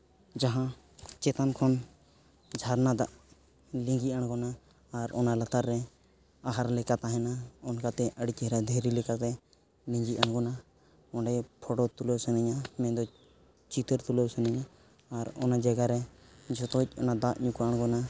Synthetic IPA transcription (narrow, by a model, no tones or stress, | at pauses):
d͡ʒaɦã | t͡ʃɛt̪ankʰɔn | d͡ʒʱaɾnad̪aʔ | lĩŋɡiʔaɽ̃ɡɔnaː | ɾɔnalat̪aɾːɛ | aɦaɾlɛkat̪aɦɛnaɔnkat̪ɛʔəɽikɛɦɾad̪ʱɛɾilɛkat̪ɛ | lĩɲd͡ʒiʔaɽ̃ɡɔna | ɔnɖɛpʰɔʈɔt̪ulɔwsənɛɲamɛ̃d̪ɔ | t͡ʃit̪əɾt̪ulɔwsənɛɲaː | ɾɔ̰nad͡ʒaɡaɾɛd͡ʒɔt̪ɔc̚ˀɔnad̪aʔɲukaaɽ̃ɡɔna